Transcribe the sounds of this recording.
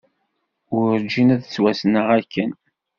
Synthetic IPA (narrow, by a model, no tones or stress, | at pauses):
ʊɾɾd͡ʒinæðt͡sːwæsnəʁækːən